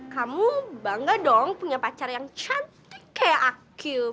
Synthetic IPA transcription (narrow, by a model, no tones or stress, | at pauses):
kamubaŋɡadɔŋpuɲapat͡ʃarjaŋt͡ʃant̪ikːajaʔaki